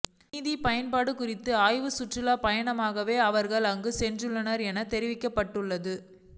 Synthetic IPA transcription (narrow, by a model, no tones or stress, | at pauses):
ðipɐjɐnpaːɽɯkʊrɪt̪ːɯaːjʋɯsʊʈrɪlaːpɐjɐɳɐmaːɣɐʋeːɐʋɐɾɣɐɭɐŋɡɯsɛndrɯɭːɐnɐɾɛnɐt̪ɛɾɪʋɪkːɐpːɐʈːɯɭːɐðɯ